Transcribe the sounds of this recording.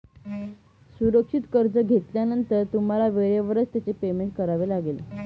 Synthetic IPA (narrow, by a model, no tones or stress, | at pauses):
suɾəkʂit̪kəɾd͡zəɡʱet̪ljanənt̪əɾt̪um̤alaʋeɾeʋəɾət͡st̪jat͡sepemeɳʈ̚kəɾaʋelaɡel